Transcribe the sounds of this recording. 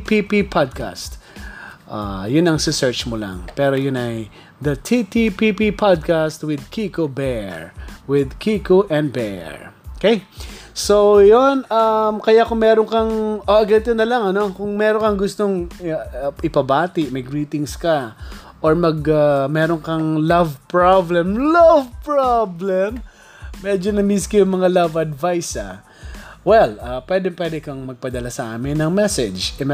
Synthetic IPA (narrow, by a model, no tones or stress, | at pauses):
pipipʰad̪̚ka̰st̪ | ʔa̰jʊnɐŋsɪsɛɹt͡ʃmola̰ŋpɛːɾojʊnɐj | d̪ɐt̪ʰit̪ipipipʰad̪̚kast̪wɪd̪̚kʰikobɛɹwɪd̪kʰikoʔɛ̃nd̪̚bɛ̰ɹokejsojonɐmkɐjakʊŋmɛːɾoŋkɐŋʔoʔɐɡɛt̪ɛnɐlɐŋɐnokʊŋmɛːɾoŋkɐŋɡʊst̪o̞ŋ | ʔɪpɐbaːt̪ɪʔmɐjɡɹiːt̪ɪŋskɐ | ʔoɹmɐɡɐmɛːɾoŋkɐŋlavpɹablɛmlavpɹablɛmː | ɛd͡ʒonɐmiskojʊŋmɐŋalɐvɐd̪vajsɐ̰ | wɛlɐpwɛːd̪ɛpwɛd̪ɛkɐŋmɐɡ̚pɐd̪ɐlasɐʔa̰ːmɪnːɐŋmɛsɛd͡ʒɛ